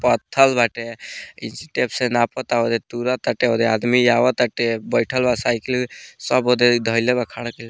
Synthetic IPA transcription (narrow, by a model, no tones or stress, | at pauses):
pət̪ʰːəlbʱaʈeḭnsi̥ʈepsenapət̪aod̪et̪uɾat̪aʈeod̪ead̪mijaʋat̪əʈebəjʈʰəlbasaːjkilsəbod̪ed̪ʱəjlebakʰaɽkel